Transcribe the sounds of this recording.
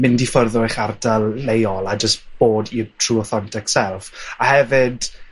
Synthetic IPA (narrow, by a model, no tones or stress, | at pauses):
mɪndifərðɔɪχardalˠːejɔlˠad͡ʒəstb̥oːditʰruːɔθɔntʰɪksɛlˠfahɛvɨd̥